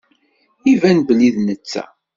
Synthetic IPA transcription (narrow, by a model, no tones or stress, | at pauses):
ivænbəlːiðnət͡sːæ̰